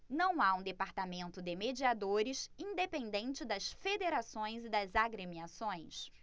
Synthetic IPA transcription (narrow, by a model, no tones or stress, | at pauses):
nɐ̃w̃aũd̪epaɾt̪amẽnt̪ʊd̪ɪmed͡ʒiad̪oɾɪsĩnd̪epẽnd̪ẽnt͡ʃɪd̪ɐsfed̪eɾasõj̃zɪd̪ɐzaɡɾemiasõj̃s